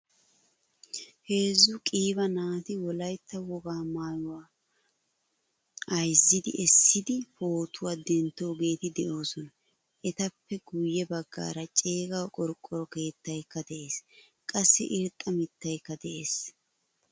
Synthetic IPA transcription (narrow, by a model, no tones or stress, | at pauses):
he̞ːzːʊkʼiːbɐnaːt̪ɪwɔlɐjt̪ːɐwɔɡaːmaːjʊwaː | ɐjzːɪd̪ɪ̰ɛsːɪd̪ɪfo̞ːt̪ʊwaːd̪ɛnt̪ːo̞ːɡe̞ːt̪ɪd̪ɛʔo̞ːsɔnɐ | ʔɛt̪ɐpːɛɡʊjːɛbɐɡːa̰ːɾɐt͡ʃʼe̞ːɡɐwkʼɔɾkʼːɔɾɔke̞ːt̪ːɐjkːɐd̪ɛʔe̞ːs | kʼɐsːɪ̰ʔɪɾt̪ʼːɐmɪt̪ːɐjkːɐd̪ɛʔe̞ːs